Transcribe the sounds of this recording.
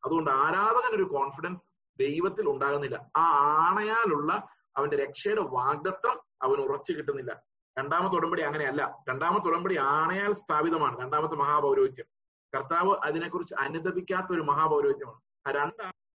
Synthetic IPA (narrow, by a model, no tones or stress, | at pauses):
ɐðuɣo̞ɳɖɨaːɾaːðɐɣɐno̞ɾuko̞ːɳfiɽɐns | d̪e̞jʋɐt̪ːiluɳɖaːɣunːilːɐ̰aːaːɳɐjaːluɭːɐ | ɐ̰ʋɐnde̞ɾe̞kʂeːɽɨʋaːɡ̚ɐt̪ːɐmɐ̰ʋɐnurɐt͡ɕːɨkiʈ̬ːunːilːɐ̰ | ɾe̞ɳɖaːmɐt̪ːuɽɐmbɐɽiɐŋːɐne̞ɐlːɐɾe̞ɳɖaːmɐt̪ːuɽɐmbɐɽiaːɳɐjaːlst̪ʰaːbiðɐmaːɳɨɾe̞ɳɖaːmɐt̪̬ːɨmɐɦaːbɐwɾo̞ːɡ̪ikʲːɐm | kɐrt̪aːʋɨʔɐðine̞kːurit͡ɕːɨʔɐnud̪ɐbikʲːaːt̪ːɐo̞ɾumɐɦaːbɐwɾo̞ːɡikʲjɐmaːɳɨ | aːɾeɳɖaː